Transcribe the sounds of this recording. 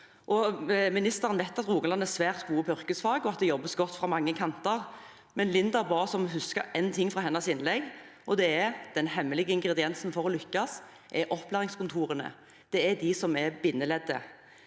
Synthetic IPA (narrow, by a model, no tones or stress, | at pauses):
ʔɔmɪnɪst̪əɾənʋæɪt̪ːɑt̪ʁuːɡənɑnːæsʋæːʁt̪ɡuːəpʰɔʏʁkəsfɑːɡɔɑt̪̚d̪ɛjɔbːəsɡɔt̪ːfʁɑmɑŋːəkʰɑnt̪əʁ | mɛnlɪnd̪ɑbɑːsɔmɦʉskəɛnt̪ʰɪŋːfʁɑɦɛnːɑsɪnlɛɡʔɔd̪ɛɛɾd̪̥ɛnhɛmːəlɪɡəɪŋɡʁɛd̪ɪɛnsnfɔɾɔlʏkːɑs | ʔɛʔɔpːlæːʁɪŋskʰʊnt̪ʰuːɾənə̰ | d̪̥ɛɛd̪ɪsɔmɛbɪnːəlɛd̪ːə